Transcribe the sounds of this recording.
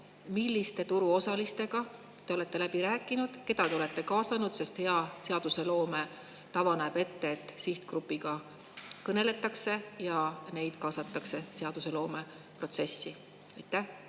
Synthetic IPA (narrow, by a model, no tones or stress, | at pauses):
milːist̪e̞t̪uɾuo̞sɑlist̪e̞ɡɑ | t̪e̞o̞le̞t̪ːe̞læbiɾæːkːˑinud̪̥ke̞d̪̥ɑt̪eole̞t̪ːe̞kɑːsɑnud̪̥se̞st̪he̞ɑse̞ɑd̪̥use̞lo̞ːme̞ | t̪ɑvɑnæb̥e̞t̪ːe̞ːt̪ˑːsiht̪krupːˑiɡ̥ɑ | kɤne̞le̞t̪ːˑɑkse̞jɑne̞jd̪̥kɑːsɑt̪ːˑɑkse̞se̞ɑd̪̥use̞lo̞ːme̞ | pro̞t̪se̞sːi | ɑjt̪ːæh